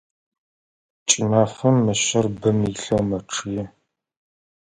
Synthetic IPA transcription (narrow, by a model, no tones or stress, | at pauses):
t͡ʃʼimaːχɐmːɐɕɐrbɨmiɬɐwmɐʈ͡ʂʰɨjɛ